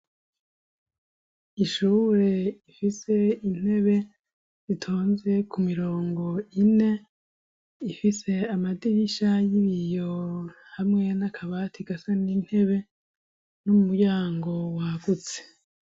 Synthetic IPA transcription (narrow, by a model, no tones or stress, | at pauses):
iʃuːɾe̞ifise̞in̥e̞βe̞ | z̥itʰoːnze̞kʰumiɾo̞ːŋɡo̞ine̞ | ifise̞amadiiʃajiβijo | hamŋe̞nakʰaβatʰiɡasanin̥he̞βe̞ | nomumujaːŋɡo̞waɡut͡se̥